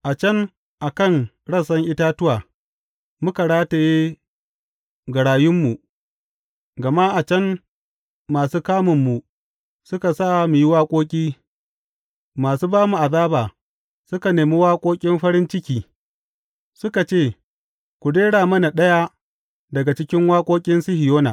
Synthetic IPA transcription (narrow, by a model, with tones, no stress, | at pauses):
ʔa˨t͡ʃɐ˦n | ʔa˨kɐ˦ŋ | ɽɐ˦˨sɐ˦ŋʔɪ˦taː˦tʊ˦waː˨ | mʊ˦ka˨ɽaː˦ta˨jeː˦ | ɡɐ˨ɽaː˨jʊ˦mːu˨ | ɡɐ˨ma˦ʔa˨t͡ʃɐ˦n | maː˨suː˦kaː˦mʊ˨mːu˨ | sʊ˦ka˨sa˦˨mu˨ji˦waː˦kʷʼoː˦kʲʼiː˦ | maː˨suː˦baː˦mu˨ʔa˨ðaː˦baː˨ | sʊ˦ka˨neː˨mi˦waː˦kʷʼoː˦kʲʼɪ˦mɸɐ˦ɽɪ˦nt͡ʃɪ˦kʲiː˨ | sʊ˦ka˨t͡ʃeː˦˨ | kʷu˨deː˦ɽaː˨mɐ˦na˨ɗɐ˦ja˦ | dɐ˨ɡa˨t͡ʃɪ˦kʲɪ˦ŋwaː˦kʷʼoː˦kʲʼɪ˦nsɪ˦hɪ˨joː˦na̰˨